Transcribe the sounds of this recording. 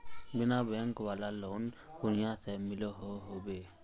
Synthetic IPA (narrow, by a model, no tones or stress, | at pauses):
binabɛŋkwalalɔnkunijasɛmilɔɦɔɦobɛ